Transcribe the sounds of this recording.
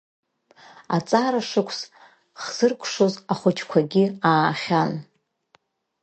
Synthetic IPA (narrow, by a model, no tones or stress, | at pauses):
at͡sʼaɾaʂɨkʷʰs | χz̥ɨrkʷʰʂozaχʷʊt͡ʃʰkʷʰaɡʲɪaːχʲan